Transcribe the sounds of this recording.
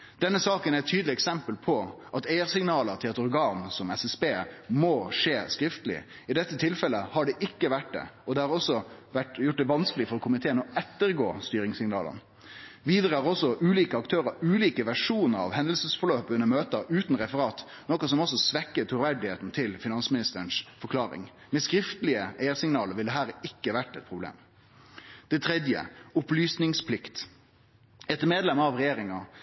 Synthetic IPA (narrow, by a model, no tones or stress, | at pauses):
d̪̥ɛnːəsɑːkənæɛt̪ʰyːd̪lɪɛksɛmpəlpʰɔʔɑt̪eɪəɾsɪŋnɑːləɾt̪ʰɪlɑt̪ɔɾɡɑːnsɔmɛsɛsbeːmoʂeːskɾɪft̪əlɪ̰ | ɪd̪ɛt̪ːət̪ʰɪlfɛlːəhɑɖɛʔɪkːəʋæʈ̚d̪ɛ̰ɔd̪ɛhɑɾɔsːɔʋæʈjʊʈ̚ːd̪ɛʋɑnskəlɪfɔɾɔkʰʊmɪt̪ʰeːənɔɛt̪ːəɾɡo̰ːst̪yːɾɪŋsɪŋnɑ̰ːlə̰n | ʋiːd̪ɾəhɑɾɔsɔʔʉːliːkəɑk̚t̪ʰøːɾəɾʉːliːkəʋæʂuːnəɾɑ̰ʋhɛnd̪əl̩səsfɔɭøːpʉnːəmøːt̪əʉːt̪nɾɛfəɾɑːt̪ | nɔkɔsɔmɔsːɔsʋɛkːət̪ʰʊɾʋæɖɪheːt̪n̩t̪ʰɪlfɪnɑnsmɪnɪst̪əənsfɔɾkʰlɑːɾɪ̰ŋ | mɛskɾɪft̪əlɪəʔeːəɾsɪŋnɑːləɾʋɪld̪ɛɦæːɾɪkːəʋæʈːɛt̪̚pʰɾʊblḛːm | d̪̥ɛt̪ʰɾɛd̪jə̰ʊplyːsnɪŋspʰlɪkt̪ | ɛt̪ːəmeːd̪lɛmɑʋʁɛjeːɾɪŋɑ